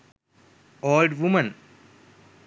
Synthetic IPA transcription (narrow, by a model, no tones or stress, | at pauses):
oːlɖʋumɐn